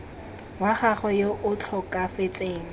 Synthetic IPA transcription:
waχaχɔjoʔʊt͡ɬʰɔkʼafet͡sʼeːŋ̩

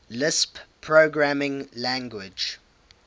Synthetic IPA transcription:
lɪsppʰːɹoɡɹamɪ̃ŋlæ̃ŋɡwɪd͡ʒ

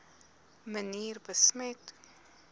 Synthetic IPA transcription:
məniːɾbəsmet̪

